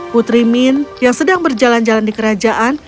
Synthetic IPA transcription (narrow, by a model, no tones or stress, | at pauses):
put̪ɾiminjaŋsədaŋbərd͡ʒaland͡ʒalandikəɾad͡ʒaʔan